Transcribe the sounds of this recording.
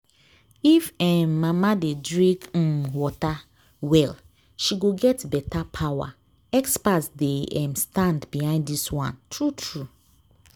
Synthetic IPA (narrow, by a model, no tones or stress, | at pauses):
ifɛmːamadedɹĩk̩wɔta | wɛl | ʃiɡoɡɛtbɛtapʰawa̰ | ɛkspasdeɛ̃mstãndbihãɪ̃nddiswã̰ntʰɹutʰɹu